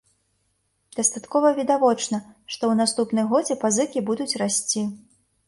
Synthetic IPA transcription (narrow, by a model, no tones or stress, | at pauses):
d̪̥ɐst̪at̪kɔvɐvʲid̪avɔt͡ʂnɐʂt̪ɔwnast̪upn̪ɨmɣɔd͡zʲɛpazɨkʲibud̪ut͡sʲrasʲt͡sʲi